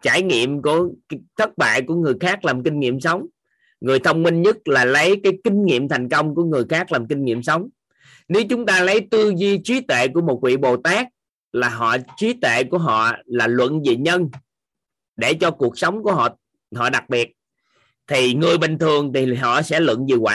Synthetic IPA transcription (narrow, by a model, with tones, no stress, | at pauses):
t͡ɕaː˧˩jŋḭ˧˨əmku˧˩ət̪ʰə˦˥t̚ɓa̰ː˧˨jku˧˩əŋɨ˨˩əjxaː˦˥k̚laː˨˩mkï˧ŋ̟ŋḭ˧˨əmsə˨˦wŋ͡m | ŋɨ˨˩əjt̪ʰə˧wŋ͡mmï˧ŋɲɨ˦˥t̚laː˨˩lə˨˦jkaː˨˦jkï˧ŋ̟ŋḭ˧˨əmt̪ʰa˨˩jŋ̟kə˧wŋ͡mku˧˩əŋɨ˨˩əjxaː˦˥k̚laː˨˩mkï˧ŋ̟ŋḭ˧˨əmsə˨˦wŋ͡m | ne˨˦wt͡ɕʊ˨˦ŋ͡mt̪aː˧lə˨˦jt̪ɨ˧zi˧t͡ɕwi˨˦t̪wḛ˧˨ku˧˩əmo˨˩t̚kwḭ˧˨ɓo˨˩t̪aː˦˥k̚ | laː˨˩ɦɔ̰˧˨t͡ɕwi˨˦t̪wḛ˧˨ku˧˩əɦɔ̰˧˨laː˨˩lwə̰˧˨nzi˨˩ɲə˧n | ɗe˧˩t͡ɕɔ˧ku˨˩ək̚sə˨˦wŋ͡mku˧˩əɦɔ̰˧˨ | ɦɔ̰˧˨ɗa˨˩k̚ɓi˨˩ət̚ | t̪ʰi˨˩ŋɨ˨˩əjɓï˨˩ŋ̟t̪ʰɨ˨˩əŋt̪ʰi˨˩ɦɔ̰˧˨sɛ̰˧˥lwə̰˧˨nzi˨˩wa̰ː˧˨